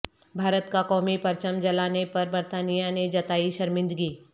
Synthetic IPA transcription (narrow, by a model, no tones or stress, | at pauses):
bʱaːɾət̪kakɔːmipɐɾt͡ʃəmd͡ʒɐlaːnepɐɾbəɾt̪aːnijaned͡ʒɐt̪aːiʃɐɾmɪ̃nd̪ɡiː